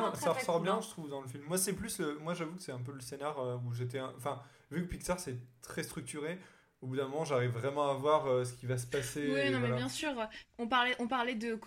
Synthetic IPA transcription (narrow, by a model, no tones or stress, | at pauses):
saʁəsɔʁbjɛ̃ʒət̪χuvd̪ɑ̃ləfilmːwasɛplysləmwaʒavukə̥sɛɛ̃p̬øləsenaʁøuʒet̪ɛ̃ɑ̃fɛ̃ | vykəpiksaʁsɛt̪χɛst̪χyk̚t̪yʁe | obud̪ɛ̃mɔmɑ̃ʒaʁivːʁɛmɑ̃avwaʁøs̬ə̥kʲivas̬ə̥pasewiɔ̃vwalabjɛ̃syːʁɔ̃paʁlɛʔɔ̃paʁlɛd̪ək